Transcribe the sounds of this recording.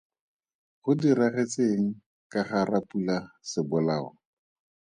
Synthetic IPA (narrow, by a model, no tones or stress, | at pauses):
χʊdiraχet͡seŋ̩ | kaχarapulasɪbʊlaːɔ̰